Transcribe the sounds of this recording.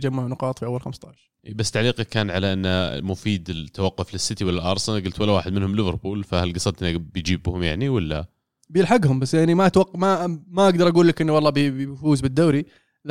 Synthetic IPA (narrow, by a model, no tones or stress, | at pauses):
d͡ʒamːaʕunʊqɑːt̪ˤfiʔawːalxamst̪ˤaʕʃɾʔiːbasːt̪aʕliːqɑkaːnʕalaʔɪnːa̰mʊfiːd̪ɪt̪ʰːawaqːʊflɪsːɪt̪iwɪlːalʔɑɾˤsˤɑnɡʊlt̪walːawaːħɪd̪mɪnhʊmlɪvɑɾˤbuːlfahalɡɑsˤɑd̪t̪nabɪjd͡ʒiːbhʊmjaʕniwɪlːaːa̰ | bjɪlħaɡhʊmbasːjaʕnimaʔt̪waqːmamaʔaɡd̪ɑɾˤʔaɡuːlːakʔɪnːwɑlˤːɑːbifuːzbɪd̪ːaːɾi